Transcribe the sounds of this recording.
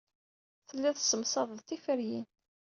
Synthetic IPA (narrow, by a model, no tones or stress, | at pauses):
θəlːiðsəmsˤɑðˤəðt̪ifəɾjin